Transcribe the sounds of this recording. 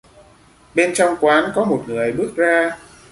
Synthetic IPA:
ɓe˧nt͡ɕɔ˧wŋ͡mkwaː˨˦nkɔ˨˦mo˨˩t̚ŋɨ˨˩əjɓɨ˦˥ək̚zaː˧

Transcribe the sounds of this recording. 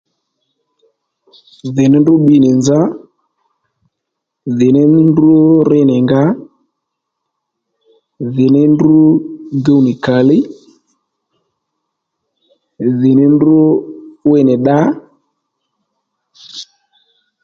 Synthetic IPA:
ðɪ˨nɪ˦ndʊ˦ɓi˧nɪ˨nza˦ | ðɪ˨nɪ˦ndʊ˦rɪ˦nɪ˨ŋɡa˦ | ðɪ˨nɪ˦ndu˦ɡe˦wnɪ˨ka˨lɪ˦ | ðɪ˨nɪ˦ndʊ˦we˦nɪ˨ɗa˦

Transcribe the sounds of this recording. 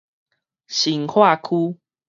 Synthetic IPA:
ɕi˨˦ŋhʰwa˥˨kʰu˦

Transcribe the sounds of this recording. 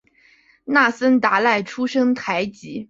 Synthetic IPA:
na˥˩sə˥nt̪a˧˥la˥˩ɪʈ͡ʂʰu˥ʂɤ˥ŋt̪ʰa˧˥ɪt͡ɕi˧˥

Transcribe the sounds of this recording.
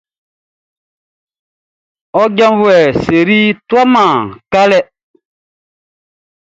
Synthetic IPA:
ɔ˦ɟã˦mvwɛ˨se˨ɾi˦twa˦mãː˨ka˦lɛ˦

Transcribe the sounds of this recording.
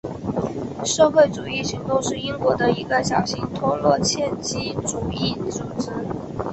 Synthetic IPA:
ʂɤ˥˧xwe˥˩ɪʈ͡ʂu˨˩i˥˩t͡ɕʰi˧˥ŋt̪o˥ʊʂɻ̩˥˩i˥ŋkwɔ˧˥d̪ə˧i˧˥ɡə˧ɕjɑ˨˩ʊɕi˥ŋt̪ʰʊ˥lwɔ˥˧t͡ɕʰjɛ˥˧nt͡ɕi˥ʈ͡ʂu˨˩i˥˩ʈ͡ʂu˨˩ʈ͡ʂ̩˥n

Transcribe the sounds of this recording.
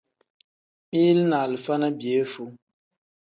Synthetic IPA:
mi˦lna˨lɨ˨fa˦na˦bi˨e˨˦fu˦

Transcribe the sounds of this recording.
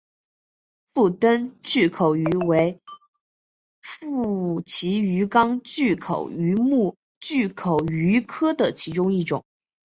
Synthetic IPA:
fu˥˩t̪ə˥nt͡ɕy˥˩kʰo˨˩ʊy˧˥we˧˥ɪ | fu˥˩t͡ɕʰi˧˥y˧˥kɑ˥ŋt͡ɕy˥˩kʰo̰˨˩ʊy˧˥mu˥˧ | t͡ɕy˥˩kʰo˨˩ʊy˧˥kʰɤ˥d̪ə˨t͡ɕʰi˧˥ʈ͡ʂʊ˥ŋi˥˩ʈ͡ʂʊ̰˨˩˦ŋ

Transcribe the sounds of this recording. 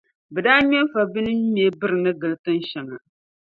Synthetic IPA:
bɛ˨daː˦ɲɛ˦m˦fa˨bi˦nɨ˦me˨˦bɨ˦ɾɨ˨nɨ˦ɡɨ˨lɨ˦tɨ˦n˦ʃɛ˨ŋa̰˨

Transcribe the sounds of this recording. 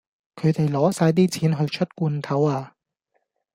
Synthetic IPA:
kʰɵ˨˧ɥt̪e˨jlɔː˨˥saː˧jt̪̬iː˥t͡sʰiː˨˥nɦɵ˧ɥt͡ʃʰɵ˥t̚kʷuː˧nt̪ʰɐ˨˥waː˧

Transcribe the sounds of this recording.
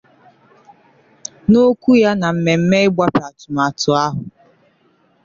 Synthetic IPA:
no˦kʷu˦ja˦na˨m̩˨me˨m̩˦me˦ɪ˦ɡ͡bʷa˦pa˨tʊ˨ma˨tʊ˨a˦ɦʊ˨

